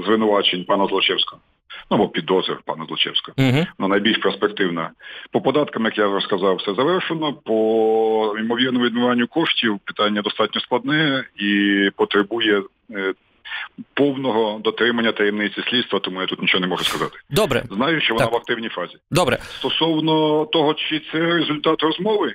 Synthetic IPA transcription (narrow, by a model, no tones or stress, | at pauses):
zʋɪnʊʋɑt͡ʃenʲpɑnɐzlˠɔt͡ʃɛwsʲkɔɦ | nubɔpʲid̪ɔzʋʲḭrpɑ̰nɐzlˠɔt͡ʃɛ̰wsʲkɔɦɔnanɐjbʲilʲʃpɛrspekt̪ɪwnɐpɔpɔd̪ɑt̪kɐmjɐkjaɔskɐzɑwsɛzɐʋɛrʃenɔpɔ | imɔʋʲirnɔmʊʋʲid̪mɪʋɑnʲːʊkɔʂtʲiwpɪ̥t̪ɑnʲːɐd̪ɔst̪ɑtʲnʲɔsklˠɐd̪nɛɛipɔt̪ɾebujɛ | pɔwnɔɦɔd̪ɔt̪ɾɪmɐnʲːɐt̪ɐjemnɪt͡sʲisʲlʲid̪st̪ʋɐt̪ɔmujat̪ut̪nʲit͡ʃɔɦɔnɛmɔʒʊskɐzɑ̰t̪ɪ̥d̪ɔbɾɛ̰znɑjʊt͡ʃt͡ʃɔʋɔnɑʋɐk̚t̪ɪwnʲijfɑzʲid̪ɔbɾɛ̰st̪ɔsɔwnɔt̪ɔɦɔt͡ʃɪt̪sɛɾezʊlʲt̪ɑt̪rɔzmɔʋɪ